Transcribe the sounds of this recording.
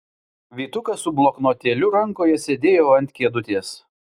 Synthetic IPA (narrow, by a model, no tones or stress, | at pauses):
ʋʲiːt̪ʊkɐsʊblˠoknoːt̪ʲeːlʲʊɾɐŋkoːjɛsʲed̪ʲeːjoːɐnʲt̪ʲkʲiɛd̪ʊt̪ʲeːs